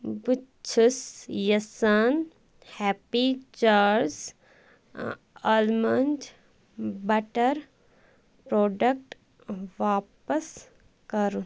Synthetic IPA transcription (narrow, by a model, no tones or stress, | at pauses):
bu | t͡ʃʰusjɐsɐn | hɛːpid͡ʒaːɾs | ɐlmɐnd͡ʒ | bɐʈəɾ | pɾoːɖək̚ʈ | ʋaːpəs | kɐɾu